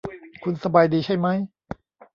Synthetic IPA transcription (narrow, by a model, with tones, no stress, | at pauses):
kʰu˧nsa˧baː˧jdiː˧t͡ɕʰa˥˩jma˦˥j